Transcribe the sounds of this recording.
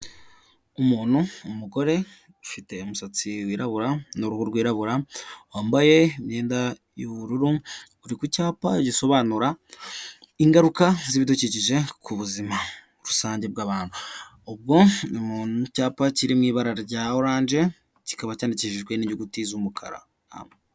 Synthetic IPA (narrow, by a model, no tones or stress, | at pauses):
umuːn̥huːmuɡo̞ɾe̞ | fite̞umusat͡siwiːɾaβuɾanuɾuhuɾɡwiːɾaβuɾawaːmbaje̞imɲeːnda | juβuɾuɾu | uɾikucaːpaɟiso̞βaːnuɾa | iŋɡaɾukaziβiduciciʒe̞kʰuβuzima | ɾusaːɲɟe̞b̚ɡaːβaːnu | ob̚ɡo̞nimuːnucaːpaciɾimŋiːβaɾaɟaoɾaːɲʒe̞ | ci̥kaβacaːndiciʒiʒwe̞niɲuɡutizumukʰa̰ɾa̰ | a̰me